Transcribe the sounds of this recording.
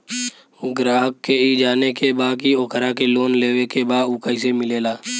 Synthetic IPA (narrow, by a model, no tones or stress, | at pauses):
ɡɾaːɦəkːeid͡ʒaːnekebaːkioːkəɾakeloːnleːwekebaːd̪ʊkəisemɪleːlaː